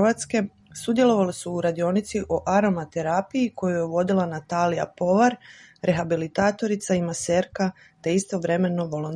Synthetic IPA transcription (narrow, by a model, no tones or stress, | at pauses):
ʋat̪ske̞ | sud̪je̞lˠo̞ʋalisuːɾad̪io̞nit̪siʔoʔaɾo̞mat̪e̞ɾapijiko̞jujeʋo̞d̪ilˠanat̪aːlija̰po̞ʋaɾɾʔe̞xabilit̪aːt̪o̞ɾit̪saimaseɾka | t̪e̞ist̪o̞ʋɾe̞me̞no̞ʋolon